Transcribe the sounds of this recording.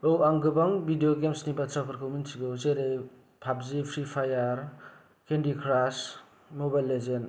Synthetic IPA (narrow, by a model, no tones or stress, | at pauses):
owaŋɡɯbaŋbidijoɡemsnibatʰɾapʰaɾkʰawminsʰiɡozeɾej | pʰap̚zipʰɾipʰajaɾ | kendikʰɾas | mobajlːezen